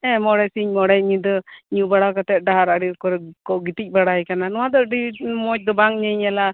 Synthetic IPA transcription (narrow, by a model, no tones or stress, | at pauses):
ɛ̃mɔɽɛsiɲmɔɽɛɲid̪ɔɲubaɽakat̪ɛt̪̚ˀɖaɦaɾaɽikɔɾɛkɔʔɡit̪ic̚ˀbaɽaɛkananɔwad̪ɔɖimɔc̚d̪ɔbaŋɲɛɲala